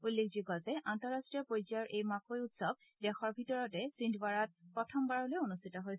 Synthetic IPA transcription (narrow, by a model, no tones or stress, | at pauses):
ulːekʰziɡɔzɛʔantɔɹːastɹijɔpojziaɹʔejmakojutsɔb̚ | dɛxɔɹbʱitɔɹɔtɛsindʰbaɹat̚pɹɔtʰɔmbaɹɔlojonustʰitɔɦoj